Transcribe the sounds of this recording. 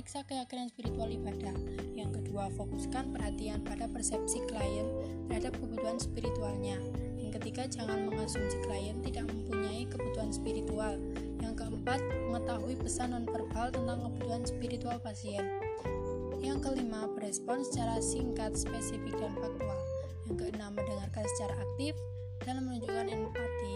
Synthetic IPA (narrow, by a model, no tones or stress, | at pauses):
iksakəjakinanspiɾit̪ualibadahjaŋkəduafoku̥skanpərɦat̪ianpadapərsɛp̚sikəlajən | t̪ərɦadap̚kəbut̪uanspiɾit̪ualɲa | jaŋkət̪ikad͡ʒaŋanməŋasuŋsi̥klajənt̪idaʔ̚məmpuɲaikəbut̪uɦanspiɾit̪ual | jaŋkəəmpat̪̚məŋət̪aɦuipəsandanpərbaalt̪ənt̪aŋkəbut̪uɦanspiɾit̪ualpasiɛn | jaŋkəlimabərɛspɔnsə̥t͡ʃaɾasiŋkat̪̚spɛsifɪk̚danfak̚t̪ual | jaŋkəənamːəndəŋarkansə̥t͡ʃaɾaʔak̚t̪ɪf | d̥almənuɲd͡ʒukanɛnpat̪i